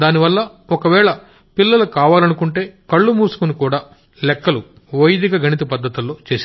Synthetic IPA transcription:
d̪aːniʋɐlːɐ | ɔkɐʋɛːɭɐ | pilːɐlɐkaːʋaːlɐnukuɳʈe̞ːkɐɭːumuːsu̥kunikuːɽaː | lɛkːɐlu | ʋɐjd̪ikɐɡɐnit̪̬ipɐd̪ːɐt̪ulːo̞ːt͡ʃe̞ːsa

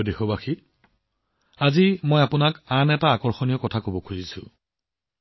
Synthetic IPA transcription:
dexɔbaxi | azimojapʊnakanɛtaːkɔɹxɔnijɔkɔtʰakobɔkʰuzisʊ̰̃

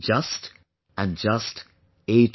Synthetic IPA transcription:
d͡ʒʌst | ə̃nd͡ʒʌst | et

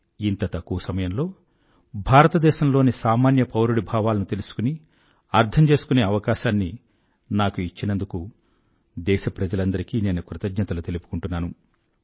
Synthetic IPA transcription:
int̪ɐt̪ɐkːuʋɐsɐmɐjɐmlo̞ː | bʱaːɾɐt̪ɐd̪ɛːʃɐmlo̞ːnisaːmaːnjɐpɐwɾuɽibʱaːʋaːlɐnut̪e̞lusu̥kuni | ɐɾd̪ʰɐmt͡ʃe̞ːsukune̞ːɐʋɐkaːʃaːnːi | naːkuit͡ʃːinɐnd̪uku | d̪ɛːʃɐpɾɐd͡ʒɐlɐnd̪ɐɾikine̞ːnukɾut̪ɐd͡ʒɲɐt̪ɐlut̪e̞lupu̥kuɳʈunːaːnu

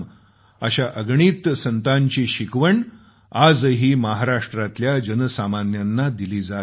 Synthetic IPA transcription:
əɕaʔəɡɳiːt̪sənt̪aɲt͡ɕiːɕikʋəɳ | ad͡zɦiːməɦaɾaʂʈɾat̪ljad͡ʑənəsamanjanːad̪iliːd͡za

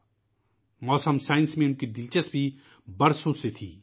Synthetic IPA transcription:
mɔːsəmsaːɪnsmẽʊnkid̪ɪlt͡ʃəsbʱi | bɐɾsõset̪ʰiː

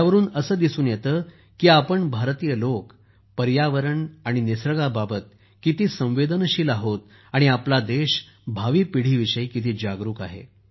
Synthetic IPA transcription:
aʋəɾuːnəsəːd̪isuːnjet̪əː | kiːapəɳbʱaɾt̪ijəlok | pəɾjaʋəɾəɳaɽ̃inisɾəɡababət̪̚ | kit̪iːsə̃w̃ʋed̪ənəɕiːlaɦot̪̚ | aɽ̃iaplad̪eɕ | bʱaʋiːpiɽ̤iːʋiɕəjkit̪iːd͡ʑaɡɾuːkaɦḛ

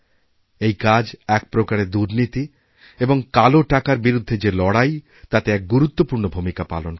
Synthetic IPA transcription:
ejkad͡ʑɛk̚pɾokaɾed̪uɾnit̪i | eboŋkaloʈakaɾbiɾud̪ʱːed͡ʑelɔɽaj | t̪at̪eɛk̚ɡuɾut̪ːopuɾnobʱumikapa̰lon

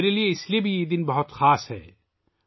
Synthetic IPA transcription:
ɾelieɪsliebʱijed̪ɪnbɐɦʊt̪xaːsɦɛ̰ː

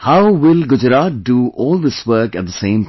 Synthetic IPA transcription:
haʊʋɪlɡʊd͡ʒɾaːt̚ɖuʔɔːlˠd̪ɪswəɾkɛt̚d̪əsẽːm

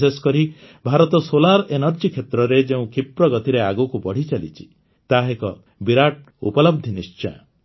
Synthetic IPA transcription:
eskɔɾibʱaɾɔt̪ɔsolaɾenɔɾd͡ʒikʰet̪ɾɔɾed͡ʒeũkʰipɾɔɡɔt̪iɾeaɡukubɔɽ̤it͡ʃalḭt͡ʃʰi̥ | t̪aɦekɔ̰ | biɾaʈ̚ | ṵpɔlɔb̚d̪ʱinist͡ʃɔ̰j

